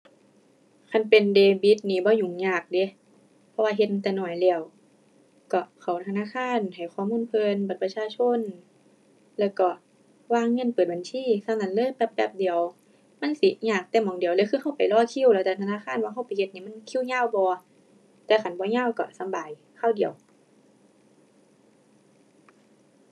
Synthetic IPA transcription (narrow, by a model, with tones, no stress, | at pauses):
kʰa˧˥˨npe˨ndeː˧bi˧˦t̪̚niː˧˩bɔː˧˦ɲu˨˩˦ŋɲaː˧˩k̚de˧˦ | pʰɔ˧waː˧ɦe˧t̪̚ma˧t̪ɛː˧˩nɔː˨˩jlɛː˧˩ə˨w | kɔ˧˩kʰa˨˩wt̪ʰa˧naː˧˥˨xʰaː˧˥˨nha˨˩jxʰɔː˧˨muː˧˥˨npʰɤː˧nba˨˩t̪̚pa˧t͡ɕʰaː˧˨t͡ɕʰo˧˥˨n | lɛː˧˩wkɔ˧˩ | waː˧˥˨ŋːɤ˧˥˨npɤː˨˩t̪̚ba˨nsʰiː˧˥˨sa˧˩˨na˧˨nlɤː˧˨jbɛ˧˦p̚bɛː˧˦p̚di˨˦əw | ma˧˥˨nsi˨˦ɲaː˧˨˩k̚t̪ɛː˧˩mɔː˨˦ŋdi˨əwlɛ˧˦kʰɯː˧ha˧˥˩wpa˨˩jlɔː˧˨kʰi˧˥˨wlɛː˧˩ɛ˧˩t̪ʰa˧naː˧˥˨xʰaː˧˥˨nwaː˧ɦa˧˩wpa˨jhe˧t̪̚niː˧˩˨ma˧˥˨nkʰi˧˥˨wɲaː˧˥˨wbɔː˧ | t̪ɛː˧˩ka˧˦nbɔː˧˦ɲaː˧˥˨wkɔ̰˧˩sa˨˦mbaː˨j | kʰaː˧˩˨wdi˨˦əw